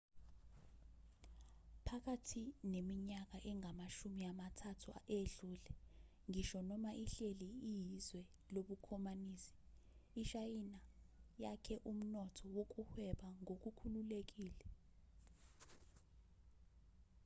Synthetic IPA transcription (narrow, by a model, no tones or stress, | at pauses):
pʰak̬atʰinemiɲak̬aʔɛŋʱamaʃumiamatʰatʰuaeɮuːlɛ | ŋiʃɔnɔmaʔiɬeliijizwɛ | loɓukʰɔmaniːsi̥ː | ʃajinajakʰɛʔum̩nɔtʰɔwok̬uhwɛɓaŋok̬ʼukʰululek̬iːlɛ